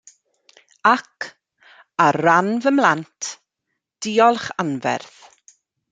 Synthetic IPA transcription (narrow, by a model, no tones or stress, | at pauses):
akʰ | aranvəmlˠantʰ | d̥iːɔlˠχanvɛ̰rθ